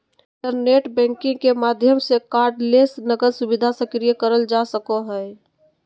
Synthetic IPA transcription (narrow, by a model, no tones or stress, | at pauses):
ʈəɾneʈbɛ̃ŋkɪ̃ŋɡkemad̪ʱjəmsekaɾɖlesnəɡəɾsubid̪ʱasəkɾijəkəɾəld͡ʒasəkoɦəɪ